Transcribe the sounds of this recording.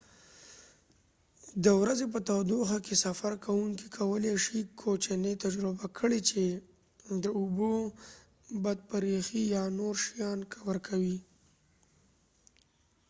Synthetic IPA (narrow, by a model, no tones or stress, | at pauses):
d̪əwɾazep̬ət̪awd̪uxakesafaɾkʰawuŋkikʰawəleʃikʰːot͡ʃanet̪ad͡ʒɾɪbakʰəɽet͡ʃe | d̪əubo | bad̪̚paɾixijɑnoɾʃijɑnkawaɾkʰawi